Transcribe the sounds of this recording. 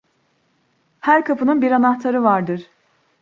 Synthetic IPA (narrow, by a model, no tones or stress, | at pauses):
hæɾkʰapʰɯnɯnbiɾanaht̪ʰaɾɯvaɾd̪ɯɾ̥